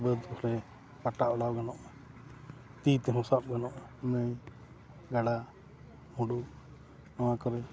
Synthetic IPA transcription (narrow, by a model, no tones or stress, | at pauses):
bəd̪kɔhɾɛ | paʈaʔɔɽawɡanɔʔ | t̪it̪ɛɦɔ̃sap̚ɡanɔʔnəj | ɡaɽa | hũɖu | awãkɔɾɛ